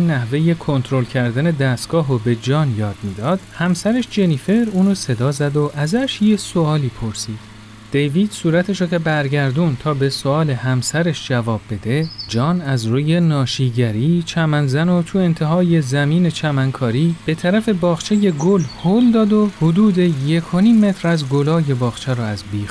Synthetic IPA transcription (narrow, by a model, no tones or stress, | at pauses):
inːæhve̞je̞kʰo̞nt̪ʰɾo̞lcʰæɾd̪æne̞d̪æst̪ɡ̥ɒːɦobe̞d͡ʒɒːnjɒːd̪̥miːd̪ɒːd̪̥hæmsæɾeʃd͡ʒe̞nife̞ɾuːnose̞d̪ɒːzæd̪oʔæzæʃjeso̞ɒːliːpʰoɾsiːd̪̥ | d̪̥ejviːd̪̥suːɾæt̪ʰeʃocʰebæɾɟæɾd̪unt̪ʰɒːbe̞soɒːle̞ɦæmsæɾeʃd͡ʒævɒːbːe̞d̪e̞d͡ʒɒːnæzɾuːje̞nɒːʃiːɟæɾiːt͡ʃʰæmænzænot̪ʰue̞nt̪ʰeɦɒːje̞zæmiːne̞t͡ʃʰæmæŋkʰɒːɾiːb̥e̞t̪ʰæɾæfe̞bɒːχt͡ʃʰe̞je̞ɡolhold̪ɒːd̪o̞hod̪uːd̪eje̞kʰo̞niːmːe̞t̪ʰɾæzɡolɒːje̞bɒːxt͡ʃʰeɾɔːæzbiː